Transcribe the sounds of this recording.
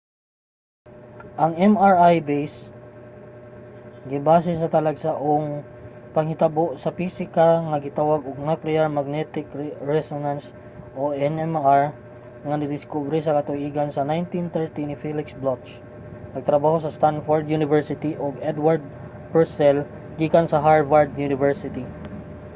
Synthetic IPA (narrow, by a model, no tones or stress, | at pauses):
ʔɐŋɛmaɹajbejs | ɡɪbaːs̬ɛs̬ɐt̪ɐlɐɡsaʔoŋ | pɐŋhɪt̪ɐboʔsɐfisɪkaŋɐɡɪt̪awaɡoɡ̚naklɛaɹmɐɡ̚nɛt̪ɪkɹɛsonans | ʔoɛnɛmaɹ | ŋɐnɪd̪ɪskubɾisɐkɐt̪ʊʔiːɡɐnsɐnajnt̪int̪ɛɹt̪inɪfilɪksblot̪t͡ʃ | nɐɡ̚t̪ɾɐbaːhosɐst̪anfoɹd̪junɪvɛɹsɪt̪iʔoɡɛd̪waɹd̪̚ | pɛɹsɛl | ɡiːkansɐɦaɹvaɹd̪̚junɪvɛɹsɪt̪i